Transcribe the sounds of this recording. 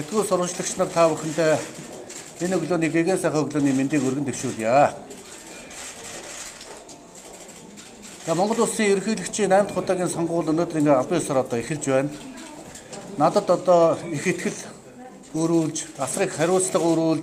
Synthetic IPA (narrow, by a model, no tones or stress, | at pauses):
set̪ɡuːɮsʊɾʁə̆t͡ɕɮə̆kt͡ɕʰnə̆rt̪ʰawʊ̆xʲɪ̆nt̪ʰeː | enɵɣɮoːniːɡeɣeːnsæːχiːɵɣɮoːniːment̪iːkɵrɣɘ̆nt̪ʰewʃuːɮja | t͡saːmɔɴɢɞ̆ɮʊsiːŋɵɾxiːɮɘ̆kt͡ɕʰiːknæːmt̪χʊt̪aːɣʲiːnsɔɴɢʊːɮɵnoːt̪riŋɡeːaɮpiːŋʊsə̆ɾɔt̪ɔːexɘ̆ɮt͡ɕpæːnt̪ | nat̪ə̆t̪ɔt̪ɔːixet̪ɡɘ̆ɮ | ɵɾuːɮt͡ɕasriːkχæɾʲʊːt͡sɮə̆qɵɾuːɮt̪